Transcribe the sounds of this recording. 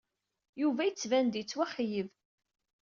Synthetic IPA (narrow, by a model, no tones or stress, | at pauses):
juvæjət͡sːvænd̪jət͡sːwæχjəv